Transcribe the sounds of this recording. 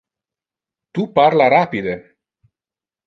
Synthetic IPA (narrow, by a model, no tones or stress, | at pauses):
t̪upaɾlaɾapid̪e